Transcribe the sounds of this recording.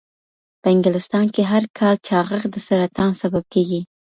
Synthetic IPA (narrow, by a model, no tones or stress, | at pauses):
pəɪŋɡɪlɪst̪ɑnkeɦaɾkʰɑlt͡ʃɑɣəɣd̪əsəɾat̪ɑnsabab̚keɡi